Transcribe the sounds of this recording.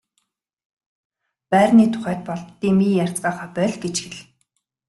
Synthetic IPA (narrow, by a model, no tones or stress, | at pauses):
pæːrniːt̪ʰʊ̥χæːt̪̚pɔɮt̪ːiːmijar̥ʲt͡sɢaːχaːpœɮʲɡet͡ɕxiɮ